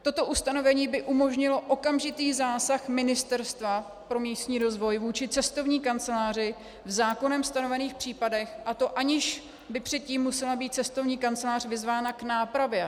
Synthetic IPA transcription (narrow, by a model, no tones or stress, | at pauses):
t̪o̞t̪o̞ʔust̪ano̞vɛɲiːbɪʔumo̞ʒɲɪlo̞ʔo̞kamʒɪt̪iːzaːsaxmɪnɪst̪ɛɾst̪va | pɾo̞miːst̪ɲiːɾo̞zvo̞jvuːt͡ʃɪt͡sɛst̪o̞vɲiːkant͡sɛlaːrɪ | vzaːko̞nɛmst̪ano̞vɛniːxpr̥iːpadɛxʔat̪o̞ʔaɲɪʃ | bɪpr̝̥ɛt̪̚ciːmːusɛlabiːt̪̚t͡sɛst̪o̞vɲiːkant͡sɛlaːr̝vɪzvaːnaknaːpɾavjɛ